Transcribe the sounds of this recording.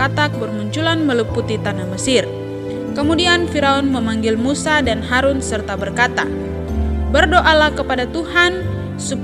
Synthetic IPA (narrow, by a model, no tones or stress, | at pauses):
at̪ak̚bərmuɲt͡ʃulanməlupːut̪it̪anaməsɪr | kəmudianfiɾaɔnməmaŋɡɪlmusadanɦaɾunsərt̪abərkat̪a̰ | bərdoʔalahkəpadat̪uhan | sup